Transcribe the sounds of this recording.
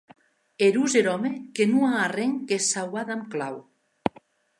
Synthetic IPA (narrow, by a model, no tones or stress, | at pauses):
eɾuzeɾɔmekenuaːreŋkesawaðamklaw